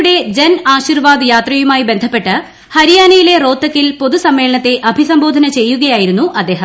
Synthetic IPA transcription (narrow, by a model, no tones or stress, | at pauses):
ɽe̞d͡ʑɐnaːɕirʋaːd̪jaːt̪rɐjumaːjibe̞nd̪ʱɐpːe̞ʈːɨ | hɐɾijaːnɐjile̞ro̞ːt̪ːɐkːilpo̞ðusɐmːe̞ːɭɐɳɐt̪ːe̞ʔɐbʱisɐmbo̞ːd̪ʱɐnɐt͡ɕe̞jːuɣɐjaːjiɾunːuʔɐd̪ːe̞ːɦɐ